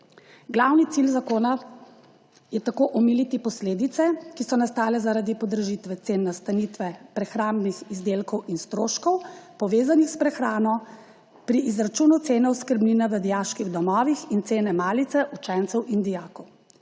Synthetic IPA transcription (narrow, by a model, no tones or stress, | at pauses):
ɡlawnit̪silzakoːna | jɛt̪akoʔɔmilit̪ipɔsleːd̪it̪sɛkisɔnast̪aːlɛzaɾad̪ipɔd̪ɾəʒit̪ʋɛt̪seːnːast̪anit̪ʋɛpɾɛxɾaːmbnixizd̪eːlkɔwinst̪ɾoːʃkɔwpɔʋeːzanixspɾɛxɾaːnɔ | pɾiʔːzɾat͡ʃuːnut̪seːnɔwskəɾbninɛʋəd̪ijaʃkiɣd̪ɔmɔːʋixint̪seːnɛmaːlit̪sɛʔut͡ʃɛnt̪sɛwʔind̪ijaːkɔw